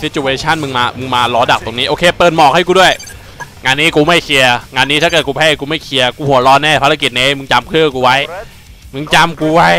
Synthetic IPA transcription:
si˨˦˥t͡ɕu˧eː˧t͡ɕʰa˥˩nmɯ˧ŋmaː˧mɯ˧ŋmaː˧lɔː˧˦˥da˨˩k̚t̪o˧ŋniː˦˥ʔoː˧kʰeː˧pɤː˨˩t̪̚mɔː˨˩k̚ha˥˩jkuː˧du˥˩əj | ŋaː˧nːiː˦˥kuː˧ma˥˩jkʰi˧ɐŋaː˧nːi˦˥t̪ʰa˥˩kɤː˨˩t̪̚kuː˧pʰɛː˧˥˩kuː˧ma˥˩jkʰi˧ɐkuː˧hu˨˩˦ɐɾɔː˧nɛː˥˩pʰa˧˥ɾa˧˥ki˨˩t̪̚ne˧˥˦mɯ˧ŋt͡ɕa˧mkʰɯː˥˩kuː˧wa˦˥j | mɯ˧˥˧ŋt͡ɕa˧mkuː˧wa˦˥j

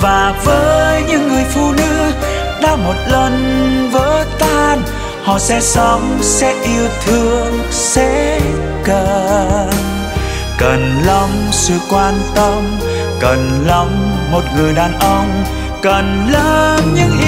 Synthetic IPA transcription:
vaː˨˩vəː˨˦jɲɨ̰˧˥ŋːɨ˨˩əjfu˧nɨ˧˥ək | ɗaː˧˦mo˨˩t̚lə˧nvəː˨˦t̪aː˧n | hɔ̰˧˨sɛ̰˧˥sə˧˦wŋ͡msɛ̰˧˥ʔi˧əwt̪ʰɨ˧əŋ | sɛ̰˧˥ | kə˨˩n | kə˨˩nlə˧wŋ͡msɨ̰˧˨kwaː˧nt̪ə˧m | kə˨˩nlə˧˦wŋ͡mː | o˨˩t̚ŋɨ˨˩əjɗaː˨˩nʔə˧wŋ͡m | kə˨˩n | ləː˧˦mɲɨ̰˧˥ŋʔ

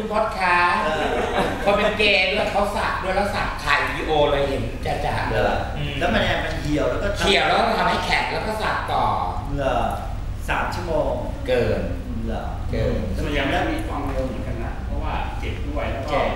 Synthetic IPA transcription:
kʰu˧npʰɔ˨˥˩t̪̚kʰaː˦˥aː˧˩ | ɔː˧pe˧nkeː˧nː˥˦˥kʰa˦˥wsa˨˩k̚du˥˩əjlɛː˧˥˩wsa˨˩k̚t̪ʰaː˧jwiː˧ʔoː˧lɤː˧jɦe˨˩˦n˧t͡ɕa˧˩t͡ɕa̰˨˩ʔɯ˧˩˧ | lɛ˦˥wma˧n˧a˧ma˧˩kʰi˨˩əwlɛː˦˥wkɔː˥˩t̪kʰi˨˩əwlɛː˦˥ɔ˥˧˩t̪ʰa˧mɦa˥˩jkʰɛ˨˩lɛː˦˥wkɔ˥˩sa˨˩k̚t̪ɔː˨˩mɯ˧ɐ | sa̰ː˩˦mt͡ɕʰu˥˩moː˧ŋ | kɤː˧n | ɯ˧˩ɐ˩ | kɤː˧nnɛ˧˩ma˧ja˧ŋma˥˩da˥˩jmiː˧kʰwaː˧mɾi˧mɯ˨˩˦ŋka˧na̰˨˧˩pʰɔ˧˥waː˥˩t͡ɕe˨˩t̪̚ːu˥˩a˧˩jlɛː˦˥kː

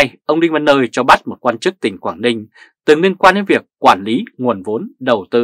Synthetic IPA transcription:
jʔə˧wŋ͡mɗï˧ŋmə˨˦nːəː˧jt͡ɕɔ˧ɓa˦˥t̚mo˨˩kwaː˧nt͡ɕɨ˦˥k̚t̪ï˨˩ŋ̟kwaː˧˩ŋnï˧ŋ̟ | t̪ɨ˨˩ŋli˧ənkwaː˧nɗe˨˦nvi˨˩əkːwaː˧˩nli˨˦ŋu˨˩ənvo˨˦nɗə˨˩wt̪ɨ̰˧

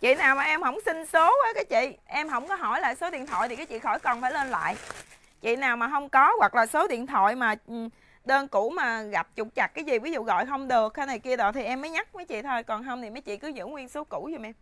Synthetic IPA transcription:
t͡ɕḭ˧˨naː˨˩wmaː˨˩ʔɛ˧mhə̰˧˩wŋ͡msi˧ŋsoː˨˦˨kaː˨˦jt͡ɕḭ˧˨ʔɛ˧mɦə˧˩wŋ͡mkɔ˨˦ɦɔ˧˩jla̰ː˧˨jso˨˦ɗḭ˧˨ənt̪ʰwɔ̰˧˨jt̪i˨˩kaː˨˦jt͡ɕḭ˧˨xɔ˧˩jkɔ˨˩nfaː˧˩jle˧nla̰ː˧˨j | t͡ɕḭ˧˨naː˨˩wmaː˨˩ɦə˧wŋ͡mkɔ˨˦ɣwa˨˩k̚laː˨˩so˨˦ɗḭ˧˨ənt̪ʰwɔ̰˧˨jmaː˨˩˨ | ɗəː˧nku˧˩˥maː˨˩ɣa˨˩p̚t͡ɕʊ˨˩k͡p̚t͡ɕa˨˩k̚kːaː˨˦jzi˨˩vi˨˦zṵ˧˨ɣɔ̰˧˨jxə˧wŋ͡mɗɨ˨˩ək̚ːaː˧na˨˩jki˧əɗɔ˨˦t̪ʰi˨˩ʔɛ˧mːəː˨˦jɲa˦˥k̚ma˨˦jt͡ɕḭ˧˨t̪ʰo˧jkɔ˨˩nɦə˧wŋ͡mt̪ʰi˨˩maː˨˦jt͡ɕḭ˧˨kɨ˨˦zɨ̰˧˥ŋwi˧nso˨˦ku˧˩˥zu˧˩mʔɛ˧m

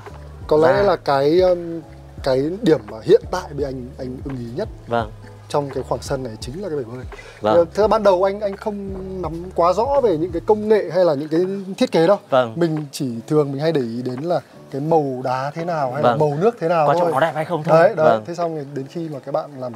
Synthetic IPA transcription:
kɔ˨˦lɛ̰˧˥laː˨˩kaː˨˦j | kaː˨˦jɗi˧˩əmːaː˨˩hḭ˧˨ənt̪a̰ː˧˨jɓe˧˩ʔa˧jŋ̟ʔa˧jŋ̟ʔɨ˧ŋʔi˨˦ɲə˦˥t̚ | t͡ɕɔ˧wŋ͡mkaː˨˦jxwaː˧˩ŋsə˧nːa˨˩jt͡ɕï˨˦ŋ̟laː˨˩kaː˨˦ɓə˧˩əː˧j | t̪ʰɨ˨˩za˧˩ɓaː˧nɗə˨˩wʔa˧jŋ̟ʔa˧jŋ̟xə˧wŋ͡mna˨˦mkwaː˨˦zɔ̰˧˥ve˨˩ɲɨ̰˧˥ŋkaː˨˦jkə˧wŋ͡mŋḛ˧˨ɦa˧jlaː˨˩ɲɨ̰˧˥ŋkaː˨˦jt̪ʰi˦˥ət̚ke˨˦ɗə˨˦wmï˨˩ŋ̟t͡ɕi˧˩t̪ʰɨ˨˩əŋmï˨˩ŋ̟ɦa˧jɗə˧˩jʔi˨˦ɗe˨˦nlaː˨˩ | kaː˨˦jmə˨˩wɗaː˨˦t̪ʰe˨˦naː˨˩wha˧jaː˨˩mə˨˩wnɨ˦˥ək̚t̪ʰe˨˦naː˨˩wt̪ʰo˧ja˧jxə˧wɗə˧˨˦ɗə˨˦˧tʰe˨˦sa˧wŋ͡mɗe˨˦nxi˧maː˨˩kaː˨˦˥k̚ɓa̰ː˧˨nlaː˨˩m

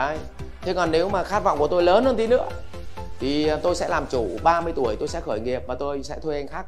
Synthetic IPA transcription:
aː˨˧˩j | t̪ʰe˨˦kɔ˨˩nːe˨˦wmaː˨˩xaː˦˥t̚va̰˧˨ŋ͡mku˧˩ət̪o˧jləː˨˦nhəː˧nt̪i˨˦nɨ̰˧˥ə | t̪ʰi˨˩t̪o˧jsɛ̰˧˥laː˨˩mt͡ɕu˧˩ɓaː˧mɨ˧əjt̪u˧˩əjt̪o˧jsɛ̰˧˥xəː˧˩jŋi˨˩əp̚maː˨˩t̪o˧jsɛ̰˧˥t̪ʰu˧jʔa˧jŋ̟xaː˦˥k̚

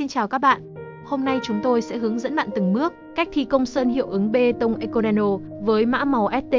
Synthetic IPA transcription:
i˧nt͡ɕaː˨˩wkaː˦˥k̚ɓa̰ː˧˨ʔ | ho˧mna˧jt͡ɕʊ˨˦ŋ͡mt̪o˧jsɛ̰˧˥ɦɨ˨˦əŋzə̰˧˥nɓa̰ː˧˨nt̪ɨ˨˩ŋmɨ˦˥ək̚ka˦˥jk̚t̪ʰi˧kə˧wŋ͡msəː˧nhḭ˧˨əwʔɨ˨˦ŋɓe˧t̪ə˧wŋ͡mʔɛ˧ko˧nɛ˧no˧ | vəː˨˦jma̰ː˧˥ma˨˦wʔɛ˦˥t̚t̪e˧

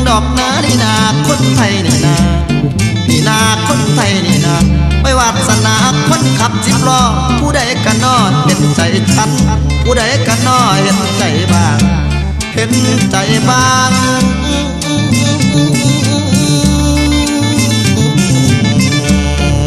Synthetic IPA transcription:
ŋdɔː˨˩k̚naː˧˥˨ni˧˦naː˧kʰo˧˥˨nt̪ʰa˧˩jniː˨˦naː˧ | ti˧˩naː˧kʰo˧˥˨nt̪ʰa˧˩jni˨˦naː˧pa˧˩jwaː˧˩t̪̚sa˧na˧˦kʰo˧˥˨nkʰa˧˦p̚si˧p̚lɔː˧˩ | pʰuː˧˦da˨˧˩jka˧˨nɔː˧˩pe˨˦nt͡ɕa˨˩jtʰa˧˥t̚ | pʰuː˧˦da˨˩˦jka˧˦nɔː˧˩he˧t̪̚t͡ɕa˨˩jbaː˧˩ŋ | pʰe˧˦nt͡ɕa˨˦jbaː˧ŋ˧ʔʔʔʔʔʔ

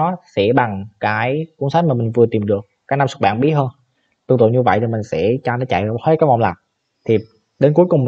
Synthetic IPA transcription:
ɔ˨˦sɛ̰˧˥ɓa˨˩ŋkaː˨˦jku˧˥ənsa˨˦jmaː˨˩mï˨˩ŋ̟vɨ˨˩ət̪i˨˩mɗɨ˨˩ək̚ːkna˧msʊ˦˥˩ɓa̰ː˧˨nɓi˦˥ət̚həː˧n | t̪ɨ˧˩˧ŋt̪ɨ̰˧˨wɲɨ˧və̰˧˨jt̪ʰi˨˩mï˨˩ŋ̟sɛ̰˧˥t͡ɕaː˧nɔ˨˦t͡ɕa̰˧˨jheː˧˦kaː˨˦j̚vɔ̰˧˨ŋ͡mlaː˨˩ | t̪ʰi˨˩ | ɗe˨˦nku˨˦jkʊ˨˩ŋ͡m

